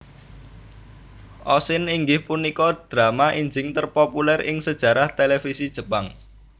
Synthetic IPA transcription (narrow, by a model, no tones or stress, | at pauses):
ʔɔsɪniŋɡɪhpunikɔd̪̥ɾamaʔiɲd͡ʒɪŋt̪ərpopulɛrʔɪŋsəd̥ʒ̥ä̤ɾaht̪elefisid̥ʒ̥ə̤paŋ